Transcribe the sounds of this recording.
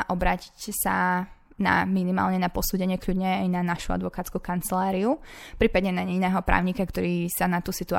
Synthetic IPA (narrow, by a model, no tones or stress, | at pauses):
ʔɔbɾaːci̥csa | na̰minima̰ːlɲɛnapɔsuːɟɛɲɪɛkʎuɟɲɛajnanaʃua̰d̪ʋɔkaːtt͡skukant͡sɛlaːɾiufpɾiːpad̪ɲɛnaɲɛinɛːɦɔpɾʔa̰ːʊɲikakt̪ɔɾiːsanat̪uːsit̪ua̰